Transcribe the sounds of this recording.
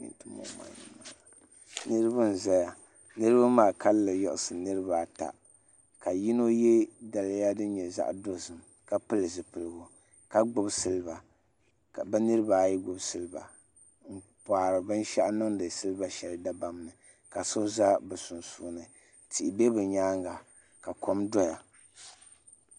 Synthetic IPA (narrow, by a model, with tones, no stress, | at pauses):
ḭ˨n˨tɨ˦mo̰˨˦ma̰˨nɨ̰˨˦maː˨ | nɨ˦ɾɨ˦bɨ˦n̩˨za˦ja˨ | nɨ˦ɾɨ˦ba˦maː˦˨ka˦lːɨ˨jɔ̰˨ʔʊ˨sɨ˨nɨ˦ɾɨ˦ba˨ta̰˨ | ka˨ji˦no˦jɛ˦da˨la˦ja˦dɨ˦n˦ɲɛ˨za̰˦ʔdo˦zɨ˨m | ka˦pɨ˦lɨ˨zɨ˨pɨ˨lɨ˦ɡu˦ | ka˦ɡ͡bʊ˦bsɨ˦lɨ˦ba˨ | bɛ˦nɨ˦ɾɨ˦ba˨jɛ˦ɡ͡bʊ˨bsɨ˦lɨ˦ba̰˨ | ŋ̩˨paː˨ɾɨ˨bɨ˦n˦ʃa˦ʔnɨ˦ŋdɨ˨sɨ˦lɨ˦ba˦ʃɛ˨lɨ˦da˦ba˦m˦nɨ˨ | ka˨so˦za˦bɛ˨sʊ˨nsu˨nɨ˨ | tʰi˨ʔbe˦bɨ˨ɲaː˦ŋɡa˨ | ka˨kʰo˦mdɔ˦ja˨